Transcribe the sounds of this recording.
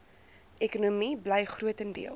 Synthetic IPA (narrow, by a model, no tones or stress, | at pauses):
ɛkunumibləjχruətəndḭəl